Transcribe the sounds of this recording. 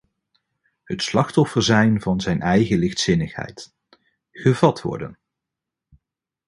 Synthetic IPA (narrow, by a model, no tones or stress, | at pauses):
ɦətslɑχtɔfəɹzɛjnvɑnzɛjnɛjχəlɪχtsɪnəχhɛ̰jt | χəvɑtʋɔ̰ɹdə̰n